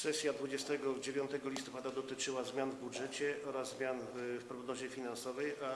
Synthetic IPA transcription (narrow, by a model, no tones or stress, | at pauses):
sɛsʲjad̪vud͡ʑɛst̪ɛɡɔd͡ʑevʲjɔ̃nt̪ɛɡɔlʲist̪ɔpad̪ad̪ɔt̪ɘt͡ʂɘwazmʲjanvbudʐɛt͡ɕɛɔɾazzmʲjanfpɾɔɡnɔʑɛfʲinansɔvɛja